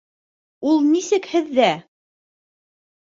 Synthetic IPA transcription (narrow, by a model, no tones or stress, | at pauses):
ulˠnisɘkhɘ̆ðːæ